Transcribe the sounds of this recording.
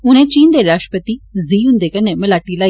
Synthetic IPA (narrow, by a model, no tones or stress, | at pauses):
ʊnẽːt͡ʃiːnd̪eɾaːʃʈəpət̪iːziːʊ̃nd̪ekəneməlaːʈilaːi